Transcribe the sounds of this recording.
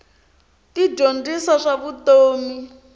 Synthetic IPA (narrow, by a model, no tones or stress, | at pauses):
tid͡ʒondisaʂaβutoːmi